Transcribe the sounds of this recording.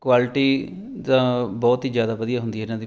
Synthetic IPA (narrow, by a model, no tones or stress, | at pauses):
kwaːlɪʈiː | d̪ãbɔːt̪ɦiːzjaːd̪aːʋəd̪ijaːɦʊ̃nd̪iːɛːɪnãːd̪iː